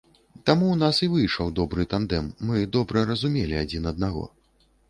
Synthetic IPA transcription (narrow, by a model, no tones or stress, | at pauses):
t̪amuwnasivɨjʂɐwd̪ɔbɾɨt̪and̪ɛmːɨd̪ɔbɾɐɾɐzumʲelʲiad͡zʲinɐd̪̚naɣɔ̰